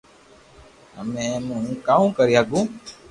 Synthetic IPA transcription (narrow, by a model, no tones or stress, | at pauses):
ɦəmẽːmũːkaːũːkəɾiːɦaːɡũː